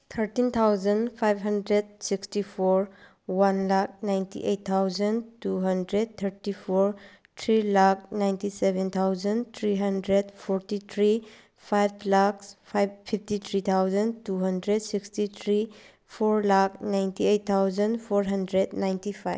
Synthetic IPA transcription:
t̪ʰəɾtint̪ʰawzənpʰajbɦɐndɾed̚sikstipʰoɾ | wanlak̚najntʰḭʔejtt̪ʰːawzəntuɦɐndɾed̚t̪ʰəɾtipʰoɾ | tʰɾilak̚najntisebent̪ʰawzənt̪ʰɾiɦɐndɾedpʰɔɾtit̪ʰɾi | pʰajb̚lakspʰajbpʰip̚tit̪ʰɾit̪ʰawzəntuɦɐndɾed̚sikstit̪ʰɾi | pʰoɾlak̚najntiejt̚t̪ʰːawzənpʰoɾɦɐndɾednajntipʰa̰jb

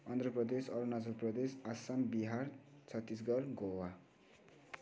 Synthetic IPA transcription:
ʌnd̪ʱrʌprʌd̪esʌlunad͡zʌlprʌd̪esasambiɦart͡sʰʌt̪ːis̬ɡʌrɡowa

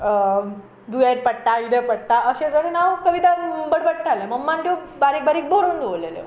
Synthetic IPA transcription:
d̪ujaɾpəɽʈaid̪epəɽʈaʔəɕẽt̪əɾenaʋkəʋit̪ambəɽbəɽ̚ʈʰaleməmːanʈ̪o | baɾiːk̚baɾiːk̚boɾuːnd̪ʋolelḛ

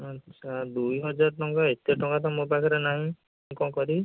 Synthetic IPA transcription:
ʌtːsʰad̪ujɦɔd͡ʒaɾʈɔŋkaet̪jɔʈɔŋkat̪amopakʰɔɾenaɦĩ | kɔ̃kɔɾi

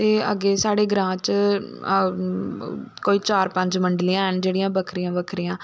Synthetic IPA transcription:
t̪eːə̰ɡeːsaːɽeːɡɾãːt͡ʃ | koːiːt͡ʃaːɾpə̃ɲd͡ʒməɳɖliːãːɛːnd͡ʒeːɽijãːbəkʰɾijãːbəkʰɾijãː

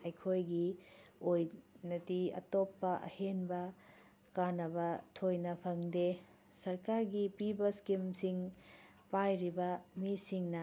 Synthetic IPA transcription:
ɐjkʰojɡiojnɐtiɐ̰topːɐʔɐ̰henbɐ | kanɐbɐtʰojnɐpʰɐŋde | sɐɾkaɾɡipibɐskimsiŋ | pajɾibɐmisiŋnɐ

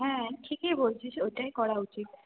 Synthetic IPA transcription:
ɦɛ̃ʈʰikebolt͡ʃʰisoʈajkɔɽaut͡ʃit̪̚

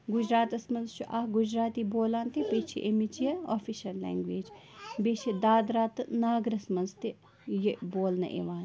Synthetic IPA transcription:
ɡʊd͡ʒɾaːt̪ɐsmɐnzt͡ʃʰuʔɐɡʊd͡ʒɾaːt̪iboːlaːnt̪ipeːt͡ʃʰiʔemit͡ʃijɐoːfiʃɐlːɛ̰ːŋɡʋeːd͡ʒ | beːt͡ʃʰid̪aːd̪ɾaːt̪ɨnaːɡɾɐsmɐnzt̪i | jiboːlnɐ̰ʔḛːʋaːn

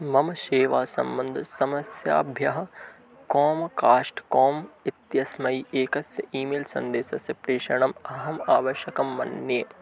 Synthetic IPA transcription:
mɐmɐʃeːʋaːsɐ̰mbɐnd̪ʱsɐmɐsja̰ːbʱjɐɦɐ | koːmkaːʂʈkɔːmɪt̪jɐsmɐiʔeːkɐsjɐʔiːmelsɐ̰nd̪eːsɐsjɐpɾeːʃɐɳ̃ɐmɐɦɐmaːʋɐʃjɐkɐmːɐ̰nːjeː

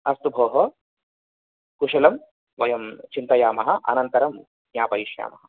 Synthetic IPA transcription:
ɐst̪ubʱoːɦɐ | kuʂɐlɐm | ʋɐjɐmt͡ʃint̪ɐjaːmɐɦɐʔɐ̰nɐnt̪ɐɾɐm | jaːpɐiʃja̰ːmɐɦɐ

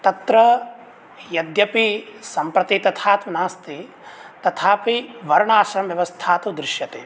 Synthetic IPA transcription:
t̪ɐt̪ɾɐ | jɐd̪jɐpisɐmpɾɐt̪it̪ɐt̪ʰaːt̪ʋɐnaːst̪i | t̪ɐt̪ʰaːpiʋɐɾɐɳaːʃɐmʋjɐʋɐst̪ʰaːt̪ud̪ɾɪʃjɐt̪eː

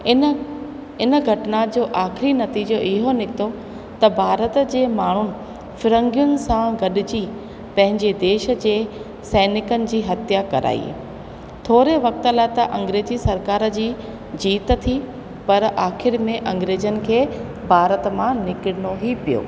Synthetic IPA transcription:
ɪnəɡʱɐʈɪnad͡ʑoːʔaːxɪɾinɐt̪iːd͡ʑoʔɪɦonɪkt̪o | t̪ɐbʱaːɾət̪d͡ʑeːmaːɳ̤ʊnɪ̆ | fɪɾə̃ŋɡijʊnɪ̆sãɡɐɗɪd͡ʑiː | pɐ̃ɦɪ̃ɲd͡ʑed̪eːʃə̆d͡ʑeː | sɛːnɪkənɪ̆d͡ʑiːɦɐt̪ijakɐɾʔa̰ːḭː | t̪ʰoːɾeʋɐk̚t̪əlaːɪt̪ɐʔɐ̃ŋɡɾeːd͡ʑisɐɾkaːɾd͡ʑiː | d͡ʑiːt̪̆t̪ʰi | pɐɾaːxɪɾmẽʔɐ̃ŋɡɾeːd͡ʑənɪ̆kʰeː | bʱaːɾət̪mãnɪkɪɽɪnoɦipijo̰ː

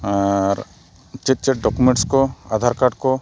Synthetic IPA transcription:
ɾ | t͡ʃet̪̚t͡ʃɛʈ̚ɖɔkumẽʈskɔad̪ʱaɾkaɖkɔ

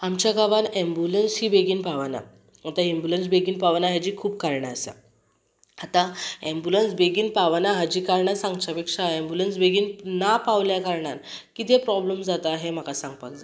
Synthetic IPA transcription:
amt͡ɕjaɡaʋanẽmbulənsɦiːbeɡiːnpaʋana̰ | at̪aembuləns̬beɡiːnpaʋnaɦad͡ʑiːkʰuːpkaɾɳaːsa̰ | at̪aɛ̃mbulənsbeɡiːnpaʋanaɦad͡ʑiːkaɾɳasãŋɡt͡ɕapekʂaɛ̃mbulənsbeɡiːnnapaʋljakaɾɳankit̪epɾɔbləmd͡zat̪aːɦem̤akasãŋɡpakd͡za

